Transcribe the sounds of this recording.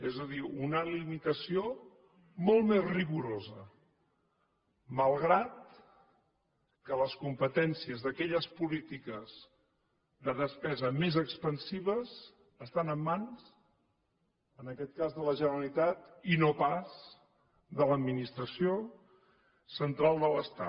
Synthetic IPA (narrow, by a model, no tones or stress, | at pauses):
ɛzəðiunəlimit̪əsio | molˠmezriɣuɾozə | məlˠɣɾat̪̚ | kələskumpət̪ɛnsiəzðəkɛʎəspulit̪ikəz̥ | ðəðəspɛzəmezəkspənsiβəz | əst̪anəmːanz | ənəkɛt̪̚kazðələʒənəɾəlit̪at̪inopaz | ðələd̪minist̪ɾəsio | sənt̪ɾalˠd̪ələst̪a̰